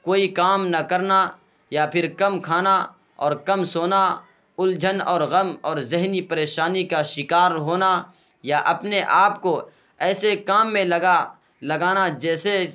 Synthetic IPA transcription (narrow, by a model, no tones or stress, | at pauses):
koːikaːmnɐkɐɾna | japʰɪɾkɐmkʰaːna | ɔːɾkɐmsoːna | ʊld͡ʒʱənɔːɾɣɐmɔːɾzɪɦnipɐɾeːʃaːnikaʃɪkaːɾɦoːna | jaʔɐpneʔaːp̚ko | ɛːsekaːmːẽlɐɡa | lɐɡaːnad͡ʒɛːse